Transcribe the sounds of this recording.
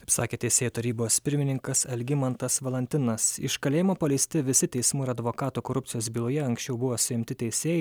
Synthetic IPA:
ɐɪpsɑːkʲeːt̪ʲɛɪsʲeːjuːt̪ɐɾʲiːboːspʲɪɾʲmʲɪnʲɪŋkɐsɛlʲɡʲɪmɐnt̪ɐsʋɐlʲˠɐnʲt̪ʲɪnɐsɪ̰ʃkɐlʲeːjɪmoːpɐlʲɛɪsʲt̪ʲɪʋʲɪsʲɪt̪ʲɛɪsmuːɪɾɐd̪ʋoːkɑːt̪uːkoːɾʊp̚ʲt̪ʲɪjoːsbʲiːlˠʊːjɛɐŋksʲt͡ʃʲɛʊbʊʋoːsʊɪmʲt̪ʲɪt̪ʲɛɪsʲeːjɛɪ

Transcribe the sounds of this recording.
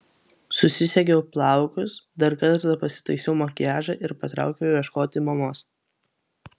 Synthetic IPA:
sʊsʲɪsʲɛkʲɛʊplˠɑˑʊkʊsd̪ɐɾkɐt̪ɾɐpɐsʲɪ̥t̪ɐɪsʲɛʊmoːkʲæːʒɐʔɪɾpɐt̪ɾɑ̰ˑʊkʲɛʊʋʲiɛʃkoːt̪ʲɪmɐmoːs

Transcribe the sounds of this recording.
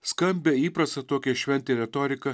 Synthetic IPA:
skɐmʲbʲeːiːpɾɐst̪ɐt̪oːkʲɛʃʲʋʲɛnʲt̪ʲeːɾʲɛt̪oːɾʲɪkɐ

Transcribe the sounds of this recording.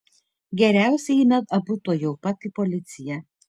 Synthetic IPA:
ɡʲɛɾʲæˑʊsʲɛmʲɛt̪ɐbʊt̪oːjoʊpɐt̪ɪpɔlʲɪt̪sʲɪjɛ

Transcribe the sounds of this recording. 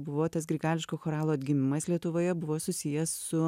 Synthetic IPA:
bʊʋoːt̪ɐsɡɾʲɪɡɑːlʲɪʃkoːxoːɾɑːlˠoːɐd̪ʲɡʲɪmʲɪmɐslʲiɛt̪ʊʋoːjɛbʊʋoːsʊsʲɪjɛssʊ

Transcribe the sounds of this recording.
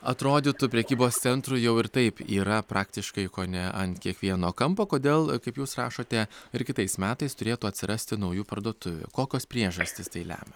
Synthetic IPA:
ɐt̪ɾoːd̪ʲɪt̪ʊpʲɾʲɛkʲiːboːst̪sʲɛnt̪ɾʊjɛʊɪɾt̪ɐɪpiːɾɐpɾʔɑːkt̪ʲɪʃkɐɪkoːnʲɛʔɐnkʲiɛkʋʲiɛnoːkɐmpoːkoːd̪ʲeːlˠkɐɪpjuːsrɑ̰ːʃoːt̪ʲɛɪɾkʲɪt̪ɐɪsmʲæːt̪ɐɪst̪ʊɾʲeːt̪uːɐt̪ʲsʲɪɾʔɐsʲt̪ʲɪnɐʊjuːpɐɾd̪oɔt̪ʊʋʲʊ̰koːkʲoːspʲɾʲiɛʒɐsʲt̪ʲɪst̪ɐɪlʲæ̰ːmʲɛ

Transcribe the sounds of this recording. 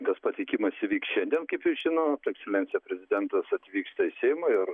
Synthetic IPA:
t̪ɐspɐt̪ʲɛɪkʲɪmɐsʲɪʋʲiːksʃʲɛnʲd̪ʲiɛnkɐɪpjɪʒʲɪnot̪ːɛksʲɛlʲɛnt̪t͡ssʲɪjɛpʲɾʲɛzʲɪd̪ʲɛnt̪ɐsɐt̪ʲʋʲiːkst̪ɐɪsʲɛjmɐɪr

